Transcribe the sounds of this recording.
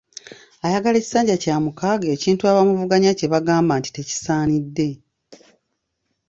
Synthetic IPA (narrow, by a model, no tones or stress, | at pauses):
ajaɡale̞ci̥saːɲɟacaːmukaɡeːciːntuaːβamuvuɡaɲace̞βaɡaːmbaːnti̥te̞ci̥saːnidːe̞